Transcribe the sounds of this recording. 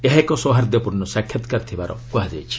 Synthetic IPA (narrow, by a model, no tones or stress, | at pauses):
eɦekɔsɔɦaɾd̪jɔpuɾnɔsakʰjɔt̪kaɾt̪ʰibaɾɔ̰kuɦad͡ʒḛjt͡ʃʰi̥